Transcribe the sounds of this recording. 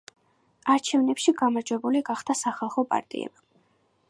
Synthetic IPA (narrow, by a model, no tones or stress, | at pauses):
aɾt͡ʃʰɛvnɛpʃiɡamaɾd͡ʒwɛbuliɡaχd̪̥asaχalˠχɔpʼa̰ɾt̪ʼḭɛ̰b̥a